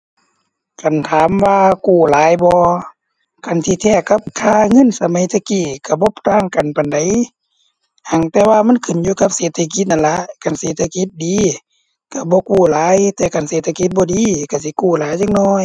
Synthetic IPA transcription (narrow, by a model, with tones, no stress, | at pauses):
ka˨nt̪ʰaː˨˦mwaː˧kuː˧˩laː˨˦jbɔː˧ | ka˨nt̪ʰiː˧t̪ʰɛː˧˩ka˧˦p̚kʰaː˧˨ŋɤ˧˥˨nsa˧ma˨˦jt̪ʰa˧kiː˧˩ka˧˩bɔ˧˦pʰt̪aː˧˩˨ŋka˨npa˨nda˨j | ha˨˧˩ŋt̪ɛː˧waː˧ma˧˥˨nkʰɯ˨˩˨njuː˧˨ka˧p̚seː˨˦t̪ʰːa˧k̬i˧˦t̪̚na˧˨nla˧˦ka˨˩˨nseː˨˧˦t̪ʰa˧ki˧˦t̪̚diː˨˦ | ka˧˩bɔː˧˦kuː˧˩laː˨˦jt̪ɛː˧˩ka˨˩˨nseː˧˦t̪ʰa˧ki˧˦t̪̚bɔː˧˦diː˨˧˨ka˧˩si˧˦kuː˧˩˨laː˨˦jt͡ɕa˧˨ŋ̚nɔː˧˥˨j